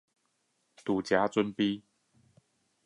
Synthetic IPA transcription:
t̪u˨˩t͡ɕja˨˦t͡sə˦npi˦

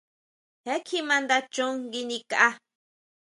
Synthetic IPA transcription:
he˦kʰi˦mã˧nd̪a˧t͡ʃʊ˦ŋɡi˧ni˧kaʔa˧

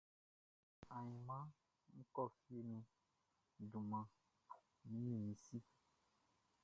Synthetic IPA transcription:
a˨ɲĩ˨mã˦ | mũ˦kɔ˦˨fi˦e˨nũ˦ | ɖu˨mã˨ | mĩ˦ĩ˦˨mĩ˨si˦

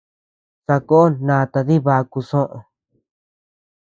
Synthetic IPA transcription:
sa˧ko˦o˦nãː˧t̪a˧ði˦βa˧ku˧sõ˦ʔõ̰˧

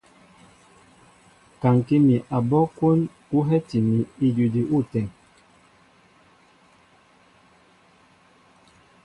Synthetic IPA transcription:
ka˨ŋki˦mi˨ʔa˨bɔ˦kwo˦n | u˦ɦɛ˦ti˨mi˨i˨d͡ʒu˨di˨ʔu˦˨tɛ˨ŋ

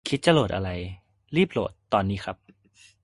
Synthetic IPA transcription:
kʰi˦t̪̚t͡ɕa˧˩loː˨˩t̪ʔa̰˧ɾa˧j | ɾiː˥˩p̚lo̰ː˨˩t̪ːɔː˧nːiː˦˥xʰa˦˥p̚

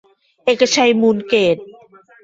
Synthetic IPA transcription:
ʔeː˨˩kːa˧t͡ɕʰa˧jmuː˧nkeː˨˩t̪̚

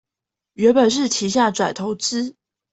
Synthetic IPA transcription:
ɥɛ˧˥npə˨˩nʂ̬ɻ̩˥˩t̪ʰi˧˥ɕja˥˩ʈ͡ʂwa˨˩ɪt̪ʰo˧˥ʊt͡s̩˥

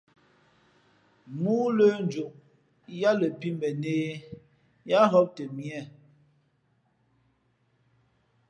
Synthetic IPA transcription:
muː˦lə˦n˦d͡ʒo˨ʔ | ja˦lə˨pi˦mbɛ˨ne˦ | ja˦ɦɔ˦p̚tə˨mjɛ˦˨

